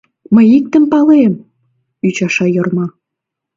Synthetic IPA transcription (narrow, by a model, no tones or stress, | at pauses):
məjik̚t̪ə̆mpɑlem | yt͡ɕɑʃɑjɤ̆rmɑ